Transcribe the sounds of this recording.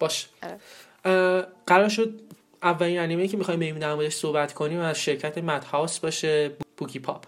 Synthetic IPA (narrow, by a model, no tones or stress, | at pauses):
b̥ɒːʃe̥ | ɢ̥æɾɒːɾʃ̬o̞d̪̚ | ævːæliːnæniːmejiːcʰe̞mixɒjmbejmuːd̪æɾmɔːd̪eʃsohbæt̪ʰkʰo̞niːmæzʃe̞ɾcʰæt̪ʰemæt̪ʰhɒsbɒːʃe̞b̥ucʰipʰɒ̰pʰ